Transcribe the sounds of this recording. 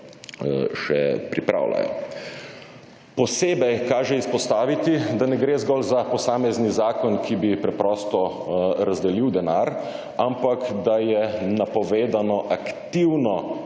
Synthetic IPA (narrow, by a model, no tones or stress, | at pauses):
ʃɛ̰pɾipɾa̰ːwla̰jɔ̰ | pɔseːbɛjkaːʒɛispɔst̪aːʋit̪id̪anɛɡɾeːzɡɔlzapɔsaːmɛznizaːkɔnkʰibipɾɛpɾɔːst̪ɔ | ɾazd̪ɛliwd̪ɛnaːɾ | ampakd̪ajɛnapɔʋeːd̪anɔʔakt̪iwnɔ